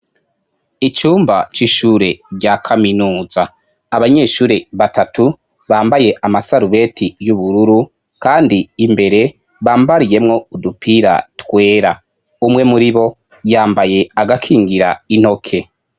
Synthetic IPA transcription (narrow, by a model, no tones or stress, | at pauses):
it͡ʃuːmbat͡ʃiʃuːɾe̞ɟakʰaminuːzaː | βaɲe̞ːʃuːɾe̞βatatu | βaːmbaje̞ʔamasaɾuβe̞tʰijuβuɾuɾu | kaːndiːmbe̞ɾe̞ | βaːmbaɾije̞mŋo̞udupʰiɾa̰twe̞ːɾa | umŋe̞muɾiβo̞ | jaːmbaje̞aɡakʰiːŋɡiɾain̥ho̞kʰe̞